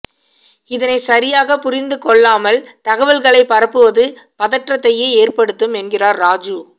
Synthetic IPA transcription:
ɪðɐnɐɪsɐɾɪjaːɣɐpʊɾɪnd̪ɯkɔɭːaːmɐlt̪ɐɣɐʋɐlɣɐɭɐɪpːɐɾɐpːɯʋɐðɯ | pɐðɐʈrɐt̪ːɐjeːeːrpɐɽɯt̪ːɯmɛnɡɪraːɾːaːd͡ʒɯ

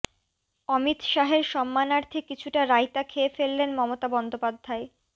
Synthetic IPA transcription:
ɔmit̪ʃaɦeɾʃɔmːanaɾt̪ʰekit͡ɕʰuʈaɾajt̪akʰeefelːenmɔmot̪abɔnd̪opad̪ʱːae

